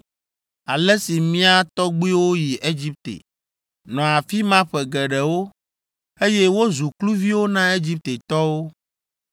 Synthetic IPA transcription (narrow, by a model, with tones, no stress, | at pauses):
a˨lɛ˦si˨mĩ˦a˦t̪ɔ˦ɡ͡bu˦i˦wo˦ji˨ʔe˦d͡ʑi˦p̚t̪ḛ˨ | nɔ̃˨a˨fi˦mã˦ɸɛ˨ɡɛ˨ɖɛ˨wo˦ | e˦jɛ˦wo˦zu˨klu˦vi˦wo˦nã˦e˦d͡ʑi˦p̚t̪e˨t̪ɔ˦wo˦